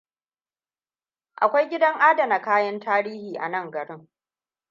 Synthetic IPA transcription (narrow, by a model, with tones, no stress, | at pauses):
ʔa̰˨kʷa˦jɡʲɪ˦dɐ˦ŋʔaː˦dɐ˨na˨kaː˦jɐ˦ntaː˦ɾiː˦hiː˨ʔa̰˨nɐ˦˨ŋɡɐ˨ɽɪ˦ŋ